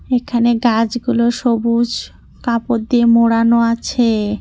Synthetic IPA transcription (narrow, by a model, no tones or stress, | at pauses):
ekʰaneɡad͡ʑɡuloʃobud͡ʑ | kapot̪d̪iemoɽanoat͡ɕʰe